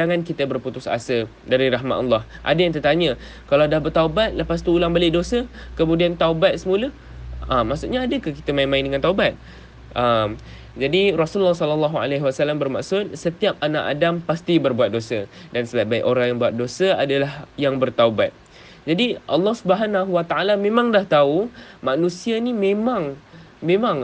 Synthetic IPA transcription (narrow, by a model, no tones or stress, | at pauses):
aŋankit̪əbərput̪ʊsa̰səl | daɾiraɦma̰ʔɔlːɑh | ʔa̰dajaŋt̪ət̪aɲə | kalawdahbərt̪aubat̪̚ləpas̬t̪uːlaŋbalɪʔ̚dosəkəmũdiant̪aubat̪̚səmulə | əmːaʔsuʔɲaːdəkaki̥t̪əmãimãɪndəŋant̪aubat̪̚ | ʔəm | d͡ʒadirɔsullːɔhsɔləlːaɦua̰laɦwasalambərma̰ʔsʊt̪̚sət̪iap̚anaʔa̰dampast̪ibərbuat̪̚dosədansəbat̪̚baɪ̰ʔoɾaŋjaŋbuat̪̚dosəadalahjaŋbərt̪aubat̪̚ | d͡ʒadiʔɑlːɑhsubəɦanaɦuwat̪aʔalamẽmãŋdaht̪aumanũsianimemãŋ | mẽmãŋ